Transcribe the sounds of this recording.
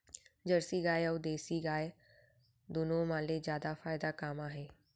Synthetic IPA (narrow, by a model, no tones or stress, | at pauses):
d͡ʑɐɾsiɡaːjɐwd̪eːsiɡaːj | d̪ʊnõmãːlezjaːd̪afaːɪd̪akaːmaːɦeː